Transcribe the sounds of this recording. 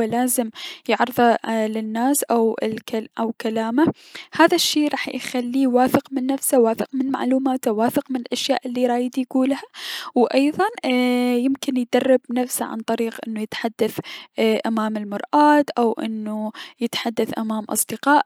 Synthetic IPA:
laːzɪmjɪʕɾɨðˤɑlɪnːaːsʔawlkʔawkalaːma | haːðaʃːeːɾˤɑːħjxalːiwaːfɪqmɪnːafsawaːfɪqmɪnma̰ʕluːmaːt̪awaːfɪqmɪnɪlʔaʃja̰ːʔɪlːiɾˤɑːjd̪ijɡuːlhawʔɑjðˤɑnjɪmkɪnjd̪ɑrˤːɪbnafsa̰ʕa̰nt̪ˤɑɾiːqʔɪnːujɪt̪ħad̪ːaθʔamaːmɪlmɑɾˤʔaːt̪ʔawʔɪ̰nːujɪt̪ħad̪ːaθʔamaːmʔɑ̰sˤd̪ɪqɑːʔ

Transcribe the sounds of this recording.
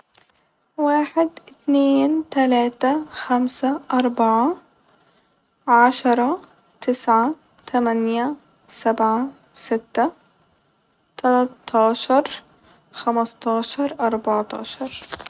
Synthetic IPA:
waːħɪd̪ʔɪt̪neːnt̪alaːt̪axamsaʔɑɾˤbɑʕa | ʕaʃɑɾˤɑ | t̪ɪsʕa | t̪ʰamanja | sabʕa | sɪt̪ːa | t̪ʰalɑt̪ːɑːʃɑɾˤ | xamɑst̪ˤɑːʃɑɾˤʔɑɾˤbɑʕt̪ˤɑ̰ːʃɑɾˤ

